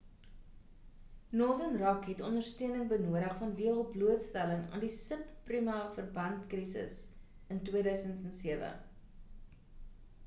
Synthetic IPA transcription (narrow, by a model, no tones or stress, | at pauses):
nɔrdənrɐkɦɛtɔndərstøənəŋbənuəɾəχfɐnviəlˠbluətstæləŋɑ̰ːndisəpːrimɑfərbɐntkrisə̰s | əntwiədœɥsəntɛnsiəvə̰